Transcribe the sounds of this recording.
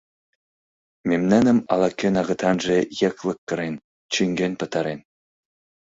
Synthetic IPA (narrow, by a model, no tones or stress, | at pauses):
memnænɘ̆mɑ̰lˠɑkʲːenɑɣɤ̆t̪ʰɑnʒejĕklˠɤ̆kːɤ̆ɾen | t͡ɕyŋɡʲenpɤ̆t̪ɑɾen